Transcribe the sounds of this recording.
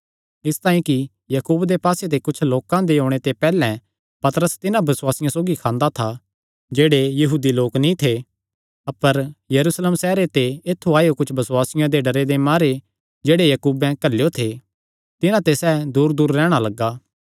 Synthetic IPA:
ɪst̪ãːĩki | jɐkuːbd̪epaːset̪ekʊt͡ʃʰloːkãd̪eɦõːɽ̃et̪epɛːlɛ̃ | pɐt̪ɾəst̪ɪnãbɐswaːsɪjãsoːɡikʰãːnd̪at̪ʰa | d͡ʒeːɽejɐɦuːd̪iloːknĩt̪ʰe | ɐpəɾjɐɾuːsleːmsɛːɾet̪eeːt̪ʰːuaːjokʊt͡ʃʰbɐswaːsɪjãd̪eɖɐɾed̪emaːɾe | d͡ʒeːɽejɐkuːbɛ̃kɐlːejot̪ʰe | t̪ɪnãt̪esɛːd̪uːɾd̪uːɾːɛːɽ̃alɐɡːaː

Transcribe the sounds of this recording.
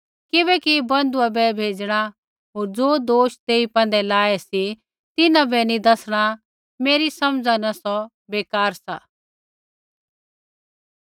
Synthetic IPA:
kɪbɛkibɐ̃nd̪uabɛbʱeːd͡ʒɽ̃a | ɦoːɾd͡zoːd̪oːʃt̪eːipɛ̃ːnd̪ɛlaːɛsi | t̪ɪnãbɛnĩd̪ɐsɽ̃a | meːɾisɐmd͡zanɐsɔ | beːkaːɾsa̰ː

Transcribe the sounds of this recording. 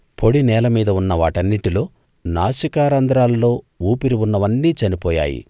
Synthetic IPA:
pʰo̞ɽinɛːlɐmiːd̪ɐunːɐʋaːʈɐnːiʈilo̞ː | naːʃikaːɾɐnd̪ɾaːllo̞ː | uːpiɾiunːɐʋɐnːiːt͡ʃɐnipɔːja̰ːjḭ

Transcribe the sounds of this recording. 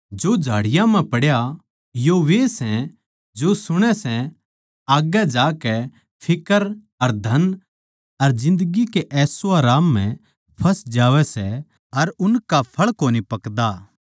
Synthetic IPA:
d͡ʒod͡ʒʱaːɽɪjãmɛ̃pɐɽja | joʋeːsɛ̃ | d͡ʒosʊɽ̃ɛsɛ̃ | aːɡɛd͡ʒaːkɛ | pʰɪkəɾ | ɐɾd̪ʱɐn | ɐɾd͡ʒɪ̃nd̪əɡikeʔɛːsoaːɾaːmːɛ̃ | pʰɐsd͡ʒaːʋɛsɛ | ɐɾʊnkapʰɐɭkoːnipɐkd̪a

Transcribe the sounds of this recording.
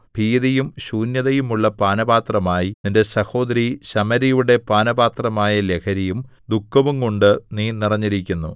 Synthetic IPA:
bʱiːðɐjumɕuːnjɐðɐjumuɭːɐpaːnɐbaːt̪rɐmaːjininde̞sɐho̞ːd̪ɐɾiɕɐmɐɾijuɽe̞paːnɐbaːt̪rɐmaːjɐle̞kʰɐɾijumd̪ukːɐʋuŋkoɳɖɨniːnirɐɲːiɾikʲːunːṵ

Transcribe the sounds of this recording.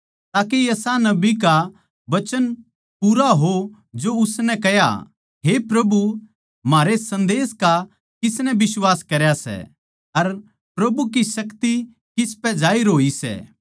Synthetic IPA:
t̪aːkejɐsanɐbik̬a | bɐt͡ʃən | puɾaɦo | d͡ʒoʊsnɛkɐja̰ | ɦepɾɐbu | maːɾesɐ̃nd̪eːska | kɪsnɛbɪswaːskɐɾjasɛ̰ | ɐɾ | pɾɐbuk̬isɐkt̪i | kɪspɛd͡ʒaːiɾoːisɛ̰ː

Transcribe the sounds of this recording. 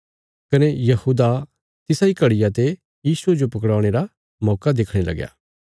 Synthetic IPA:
kɐnejɐhuːd̪a | t̪ɪsaikɐɽɪjat̪e | jiːsued͡ʒopɐkɽaːɽ̃eːɾa | mɔːkad̪ekʰɽ̃elɐ̰ɡja̰ː

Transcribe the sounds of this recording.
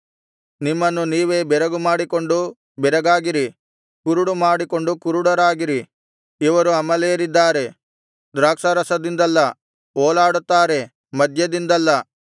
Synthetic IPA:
nimːɐnːuniːʋe̞ːbɛɾɐɡumaːɽikoɳɖu | bɛɾɐɡaːɡiɾi | kuɾuɽumaːɽiko̞ɳɖukuɾuɽɐɾaːɡiɾi | iʋɐɾuɐmɐlejɐɾid̪ːaːɾe̞ | d̪ɾaːkʂɐɾɐsɐd̪ind̪ɐlːɐ | oːlaːɽut̪ːaːɾe̞ | mɐd̪ʱjɐd̪ind̪ɐlːɐ

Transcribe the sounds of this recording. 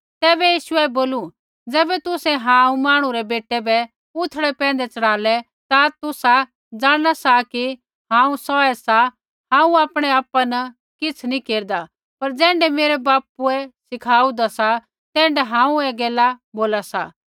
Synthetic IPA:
t̪ɛːbɛjiːʃʊɛboːlu | d͡zɛːbɛt̪ʊsɛɦãːũmaːɽ̃ũɾɛbeːʈɛbɛ | ʊt̪ʰɽɛpɛ̃ːn̆d̪ɛt͡sɐɽaːlɛ | t̪at̪ʊsa | d͡zaːɽ̃asaki | ɦãːũsɔɛsa | ɦãːũaːpɽ̃ɛaːpanɐ | kɪt͡sʰnĩkeːɾd̪a | pɐɾd͡zɛ̃ːɳɖɛmeːɾɛbaːpuɛsɪkʰaːud̪asa | t̪ɛ̃ːɳɖɛɦãːũɛɡɛːlaboːlasa̰ː

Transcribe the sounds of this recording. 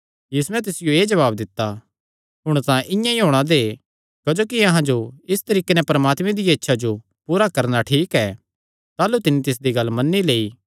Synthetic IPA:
jiːsuɛ̃t̪̬ɪsɪjoeːd͡ʒɐʋaːb̚d̪ɪt̪ːa | ɦʊɽ̃t̪ãʔɪ̃jãiɦoːɽ̃ad̪eː | kɐd͡ʒoːkiɐɦãd͡ʒoɪst̪ɐɾiːkenɛpɐɾmaːt̪mẽd̪ɪjaɪtːʃʰad͡ʒo | puːɾakɐɾnaʈʰiːkɛː | t̪aːlut̪ɪnːit̪ɪs̬d̪iɡɐlːmɐnːileːiː

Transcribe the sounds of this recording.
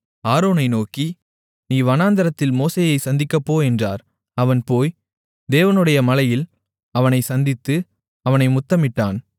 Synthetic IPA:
aːɾoːnɐɪnoːki | niːʋɐnaːnd̪ɐɾɐt̪ːɪlmoːseːjɐɪsɐnd̪ɪkːɐpːoːɛndra̰ːɾ | ɐʋɐnpoːj | d̪eːʋɐnɯɽɐjɐmɐlɐjɪl | ɐʋɐnɐɪsɐnd̪ɪt̪ːɯ | ɐʋɐnɐɪmʊt̪ːɐmɪʈːaːn

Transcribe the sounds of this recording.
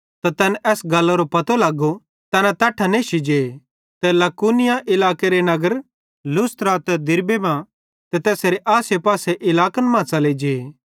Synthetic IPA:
t̪at̪ɛːnɛʔɛːsɡɐlːoɾopɐt̪olaɡo | t̪ɛːnãt̪aːʈʰaneːʃid͡ʒeː | t̪ɛlɐkuːnɪjaʔɪlaːkeɾenɐɡəɾ | lʊst̪ɾat̪ɛd̪ɪɾbebã | t̪ɛt̪ɛːseɾeʔaːsepaːseʔɪlaːkənmãːsaled͡ʒeː

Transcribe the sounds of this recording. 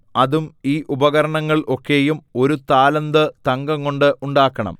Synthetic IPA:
ɐðumiːʔubɐɣɐɾɐɳɐŋːɐɭʔo̞kːe̞jumo̞ɾut̪aːlɐnd̪ɨt̪ɐŋɡɐŋko̞ɳɖɨʔuɳɖaːkːɐɳɐ̰m

